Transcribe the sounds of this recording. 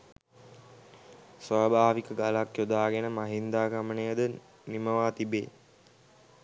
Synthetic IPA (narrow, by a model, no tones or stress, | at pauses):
sʋaːbaːʋikəɡalakjod̪aːɡenəmaɦind̪aːɡamənəjəd̪ə | niməʋaːt̪ibḛː